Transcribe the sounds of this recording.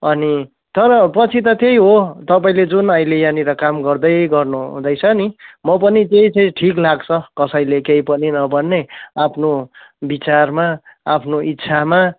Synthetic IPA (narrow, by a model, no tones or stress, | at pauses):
ʌni | t̪ʌɾʌpʌt͡sʰit̪ʌt̪ejɦot̪ʌpaĩled͡zunʌĩlejaniɾʌkamɡʌrd̪ʌjɡʌrnuṵ̃d̪ʌjt͡sʰʌnimʌpʌnit̪ejt͡sʌĩʈʰiklaɡt͡sʰʌkʌsʌjlekeipʌninʌbʌnːeapʰno | bit͡sarmaapʰnoʔit̪ːsʰama